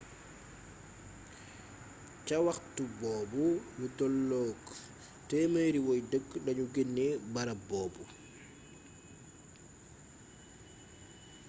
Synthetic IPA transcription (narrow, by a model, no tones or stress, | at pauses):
cawaxtubɔːbulutɔlːɔːk | tɛməjɾiwɔjdəɡɗɐɲuɡenːibaɾabɔːbu